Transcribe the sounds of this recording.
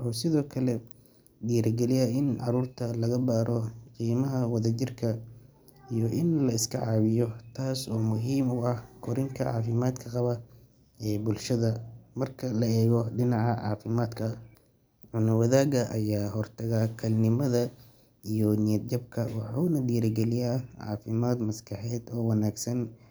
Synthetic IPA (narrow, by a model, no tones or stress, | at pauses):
ʔɔːsɪðɔːkʰɐlɛ | d̪ijɾɡɛlɪjɐɪnʕɑɾuːrt̪ʰɐlɐɣɐbaːɾʔɔqiːmɐɦɐwɐðɐt͡ʃɪrkʰɐ | ijɔʔɪnlɐɪskʰɐʕɑːβɪjɔt̪ʰaːsɔːmʊɦiːmʊɐhkʰɔɾɪŋkʰɐʕɑ̰ːfɪmaːd̪kʰɐqɑβɐ | ɛːbʊlʃɐðɐmɐrkʰɐlɐɛːɣɔɖɪnɑʕɑʕɑːfɪmaːd̪kʰɐ | ʕʊnɐwɐðaːɡɐʔɐjaːɦɔrt̪ʰɐɣaːkʰɐlnɪmɐðɐ | ijɔnɪjɐd̪̚d͡ʒɐb̚kʰɐwɑħuːnɐd̪iːɾɡɛlɪjaːʕɑ̰ːfɪmaːd̪mɐskʰɑħɛːd̪ɔːwɐnaːɡsɐn